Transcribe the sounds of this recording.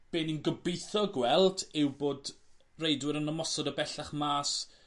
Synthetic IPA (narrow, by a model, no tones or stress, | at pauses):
b̥eːninɡəbɪjθɔɡwɛlˠdɪwboːd | rejdwɪɾənəmɔsɔdəbɛɬaχmaːs